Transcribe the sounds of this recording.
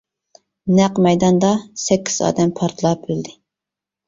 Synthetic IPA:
næqmɛjd̪ɑnd̪ɑsɛkʲʰːi̥z̥ɑ̰ːd̪ɛmpʰɑɾt̪ʰlˠɑp̚yld̪ɪ

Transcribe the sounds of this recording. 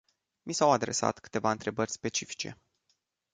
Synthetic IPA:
misawad̪ɾe̞̰sa̰t̪kɨ̥t̪e̞vaɨnt̪ɾe̞bərʲspe̞t͡ʃifi̥t͡ʃe̞̰

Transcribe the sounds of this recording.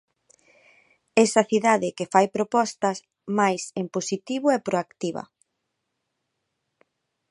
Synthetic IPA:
ɛsɐθiðaðɪkefajpɾopɔst̪ɐs | majsemposit̪iβʊɛpɾoakt̪iβɐ̰

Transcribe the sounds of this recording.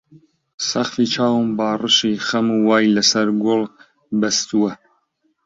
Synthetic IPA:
sɐχfit͡ʃʰɑːwɨmbɑːrɨʃixɐmuwɑːjlɐsɐɾɡolˠ | bɐst̪uwɐ

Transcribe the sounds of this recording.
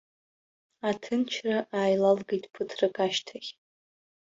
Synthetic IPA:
atʰɨnt͡ʃʰraʔaːjlalɡejtʼpʰɨtʰrɨkʼaʃtʰaχʲ

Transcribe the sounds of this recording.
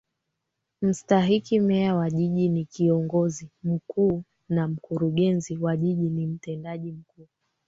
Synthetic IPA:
m̩staɦikimɛawaʄiʄinikiɔŋɡɔzim̩kuː | nam̩kuɾuɠɛnziwaʄiʄinim̩tɛndaʄim̩kuː

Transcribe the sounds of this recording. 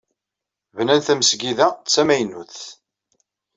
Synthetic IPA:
vnænθæməsɡiðæt͡sːæmæjnuθ

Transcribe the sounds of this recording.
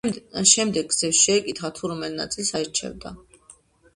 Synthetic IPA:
ʃɛmd̪ɛɡ̚ɡzɛfsʃɛːkʼit̪χat̪ʰuɾɔmɛlna̰t̪sʼilsaɛɾt͡ʃʰɛ̰vd̪a̰

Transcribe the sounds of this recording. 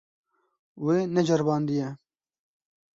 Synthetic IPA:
weːnɛd͡ʒɐɾbɑːnd̪ijɛ

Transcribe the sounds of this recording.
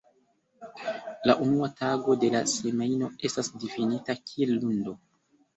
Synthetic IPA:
laʔunuataɡo̞de̞lase̞mejno̞e̞stasdifinitakʰielːundo̞

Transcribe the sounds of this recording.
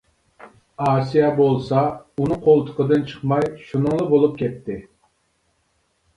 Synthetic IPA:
ɑːsijɑbolˠsɑunɨqʰolˠt̪ʰʊ̥qəd̪ɨnt͡ʃʰə̥χmɑjʃunɨŋlˠəbolˠup̚kʲɛt̪ʰːɪ

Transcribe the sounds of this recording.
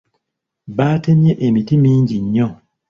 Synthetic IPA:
βaːte̞mje̞ʔemitimiːɲɟiɲːo

